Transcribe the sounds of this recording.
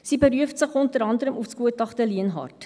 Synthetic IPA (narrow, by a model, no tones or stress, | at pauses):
sibəɾyəftsəχɔntəɾɑndəɾəmufskuətɑχtəliənɦɑ̰rt